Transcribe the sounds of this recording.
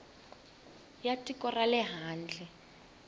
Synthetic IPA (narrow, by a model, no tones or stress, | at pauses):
jatʼikʼɔralɛɦaːn̩d͡ɮɛ